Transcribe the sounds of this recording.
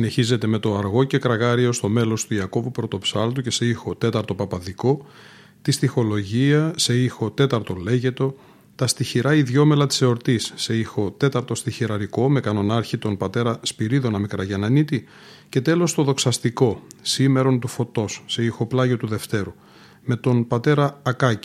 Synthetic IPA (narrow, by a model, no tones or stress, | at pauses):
sine̞çize̞t̪e̞me̞t̪o̞ɐɾɣo̞ce̞kɾɐɣɐɾio̞st̪o̞me̞lo̞st̪uiɐko̞vupɾo̞t̪o̞psɐlt̪uce̞se̞ixo̞t̪e̞t̪ɐɾt̪o̞pɐpɐðiko̞ | t̪ist̪ixo̞lo̞ʝiɐse̞ixo̞t̪e̞t̪ɐɾt̪o̞le̞ʝe̞t̪o̞ | t̪ɐst̪içiɾɐiðʝo̞me̞lɐt̪i̥se̞o̞ɾt̪isːe̞ixo̞t̪e̞t̪ɐɾt̪o̞st̪içiɾɐɾiko̞me̞kɐno̞nɐɾçit̪o̞npɐt̪e̞ɾɐspiɾiðo̞nɐmikɾɐʝɐnɐnit̪i | ce̞t̪e̞lo̞st̪o̞ðo̞ksɐst̪iko̞sime̞ɾo̞nt̪ufo̞t̪o̞sːe̞ixo̞plɐʝot̪uðe̞ft̪e̞ɾu | me̞t̪o̞npɐt̪e̞ɾɐːkɐci̥